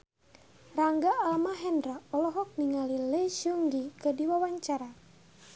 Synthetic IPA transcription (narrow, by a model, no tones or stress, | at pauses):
raŋɡaalmaɦɛndɾaɔlɔɦɔk̚niŋalileʃuŋɡikədiwawaɲt͡ʃaɾa